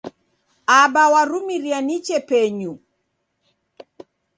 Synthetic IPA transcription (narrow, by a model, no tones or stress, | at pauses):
abawaɾumiɾianit͡ʃɛpɛɲu